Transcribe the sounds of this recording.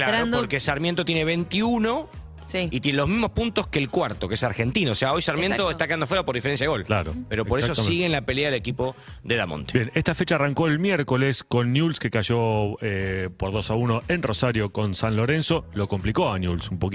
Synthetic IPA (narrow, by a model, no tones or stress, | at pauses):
klaɾonoɾkesaɾmjent̪ot̪jeneβe̞nt̪iuno̞ | siit̪jenelo̞ɦmiɦmo̞hpunt̪o̞skelkwaɾt̪okeesaɾxe̞nt̪inaoseaojsaɾmjẽnt̪oet̪akeand̪ofweɾaopo̞ɾðifee̞nsjaðeo̞llaɾo̰peɾopo̞ɾessosiɣenlape̞leaðelekipo̞ | ðeðamo̰nt̪ebjenest̪afet͡ʃaːraŋko̞elmjeɾko̞lesko̞nːjulskekaʒo̞epoɾðo̞sauno̞ʔenrosaɾjo̞ko̞nsanlo̞ɾenso̞lo̞komplikoanjulsumpok